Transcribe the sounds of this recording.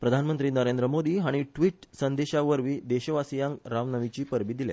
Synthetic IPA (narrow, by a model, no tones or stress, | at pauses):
pɾəd̪ʱanmənt̪ɾiːnəɾend̪ɾəmod̪iːɦaɽ̃iʈʋiːʈsənd̪eɕaʋəɾʋiːd̪eɕəʋasijãŋɾaʋnəʋit͡ɕiːpəɾbiːd̪ilja̰